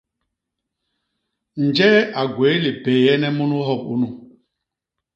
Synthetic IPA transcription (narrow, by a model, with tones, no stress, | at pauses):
n̩˨d͡ʒɛ˦a˨ɡwe˨˦li˨beː˨jɛ˦nɛ˦mu˦nu˦ɦɔ˦˨bṵ˦nu˦